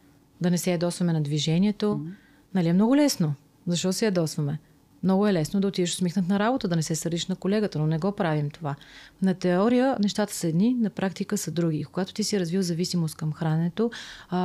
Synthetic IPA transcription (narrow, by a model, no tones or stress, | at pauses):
d̪ɐnɛsɛjɐd̪ɔsvɐmɛnɐd̪viʒɛniɛt̪o | nɐliɛmnɔɡʊlɛsno | zɐʃt̪ɔt̪ʊsɛjɛd̪ɔsvɐmɛ | mnɔɡʊɛlɛsnod̪ɐot̪id̪ɛʃo̥smixnət̪nɐɾabot̪əd̪ɐnɛsɛsəɾd̪iʃnɐkolɛɡət̪ənonɛɡɔpɾavimt̪ovanɐt̪ɛɔɾijənɛʃt̪at̪ə̥səɛd̪ninɐpɾʔakt̪ikəsɐd̪ɾuɡʲiːkoɡat̪o̥t̪isiɾɐzvivzɐvisimost̪̚kɐmxɾanɛt̪o